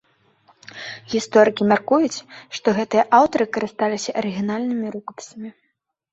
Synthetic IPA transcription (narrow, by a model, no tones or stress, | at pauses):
ɣʲist̪ɔɾɨkʲimʲarkujut͡sʲʂt̪ɔɣɛt̪ɨjɐʔawt̪ɐɾɨkɐɾɨst̪alʲisʲɐʔɐɾɨɣʲinalʲnɨmʲiɾukɐ̥pʲi̥sɐmʲi